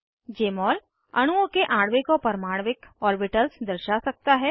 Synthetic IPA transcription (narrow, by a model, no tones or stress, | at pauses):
d͡ʒeːmɔːl | ɐɽ̃uõkeʔãːɽʋɪkopɐɾmaːɽʋɪkɔːɾbɪʈəlsd̪ɐɾʃasɐk̚t̪aɦɛː